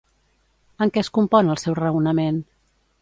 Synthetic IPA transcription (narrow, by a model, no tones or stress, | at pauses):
əŋkɛəskumpɔnəlˠsɛwrəunəmen